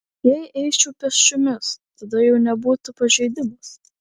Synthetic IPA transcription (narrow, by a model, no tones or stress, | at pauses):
jɛɪʔɛɪt͡ʃʲupʲɛsʲt͡ʃʲʊmʲɪst̪ɐd̪ɐjɛʊnʲɛbuːt̪ʊpɐʒʲɛɪd̪ʲɪmɐs